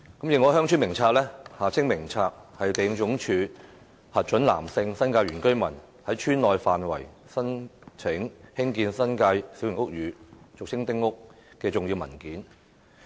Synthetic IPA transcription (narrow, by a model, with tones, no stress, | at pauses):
kɐ˨˥mji˨˧ŋɔː˨˧˥hœː˥ŋt͡ʃʰyː˥nmɪ˨˩ŋt͡sʰaː˧k̚lɛː˥haː˨t͡sʰɪ˥ŋmɪ˨˩ŋt͡sʰaː˧k̚hɐ˨jt̪e˨jɪ˧ŋt͡ʃʊ˨˥ŋt͡ʃʰyː˨˧ | hɐ˨t̚t͡ʃɵ˨˥nla̰ː˨˩msɪ˧ŋsɐ˥nkaː˧jɥyː˨˩nkɵ˥ɥmɐ˨˩n | hɐ˨˥jt͡ʃʰyː˥nlɔː˨jfaː˨nwɐ̰˨˩j | sɐ˥nt͡sʰɪ˨˥ŋhɪ˥ŋkiː˧nsɐ˥nkaː˧jsi˨˥wjɪ˨˩ŋʊ˥k̚ɥyː˨˧t͡sʊ˨k̚t͡sʰɪ˥ŋt̪ɪ˥ŋːʊ˥k̚kɛː˧t͡sʊ˨ŋji˧wmɐ̰˨˩nkiː˨˥n